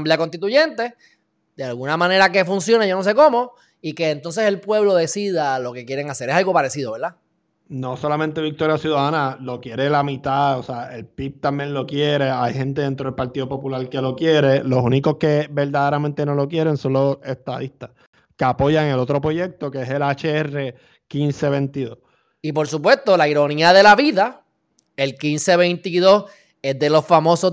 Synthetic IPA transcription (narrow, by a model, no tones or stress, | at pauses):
mbliakont̪it̪uʝe̞nt̪e̞ | d̪̥ealɣunamãne̞ɾake̞funsjo̞neʝonos̬e̞ko̞mo̞ | ike̞ːnt̪o̞ns̬eselpwe̞βlo̞ðe̞siðaloke̞kje̞ɾeŋaseɾesalɣopaɾesiðo̞βeɾða | no̞so̞lamẽnt̪e̞βik̚t̪o̞ɾjasjuðaðanalo̞kje̞ɾe̞lamit̪aoseaʔe̞lpip̚t̪ambjeŋlo̞kje̞ɾe̞ajhẽ̞nt̪eðent̪ɾo̞ðelpaɾt̪iðo̞po̞pulaɾkelo̞kje̞ɾe̞lo̞suniko̞hke̞be̞ɾd̪aðe̞ɾament̪e̞no̞lo̞kje̞ɾe̞ŋso̞nlo̞se̞st̪a̰ðist̪ah | keapo̞jaŋe̞lo̞t̪ɾo̞pɾoje̞k̚t̪o̞keese̞lat͡ʃeere̞ | kinse̞βe̞nt̪iðo̞s | ipo̞ɾsupwe̞st̪o̞laiɾo̞niaðe̞laβiða | elkinse̞βent̪iðo̞s | ezðe̞lo̞sfamo̞so